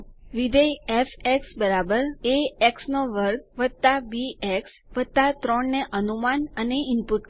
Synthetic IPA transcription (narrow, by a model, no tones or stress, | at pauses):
ʋid̪əjefeksbəɾabəɾeeksnoʋəɾɡ̚ʋəd̪̚t̪abieks | ʋət̪at̪ɾɔɳːeʔənumanəneɪmpuʈk